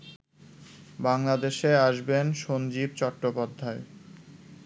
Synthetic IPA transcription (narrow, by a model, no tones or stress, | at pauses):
baŋlad̪eʃeaʃbenʃond͡ʑib̚t͡ɕɔʈːopad̪ʱːae